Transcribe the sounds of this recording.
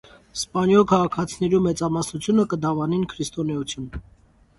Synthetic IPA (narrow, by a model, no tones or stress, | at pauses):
spɑnjɔlkʰɑʁɑkʰɑt͡sʰinɛɾumɛt͡sɑmɑsnut͡sʰjunəkəd̪ɑvɑninkʰɾist̪ɔnɛut͡sʰjun